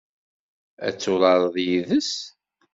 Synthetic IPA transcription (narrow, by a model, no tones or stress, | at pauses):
æ̰t͡sːʊlˤɑɾˤðjiðəs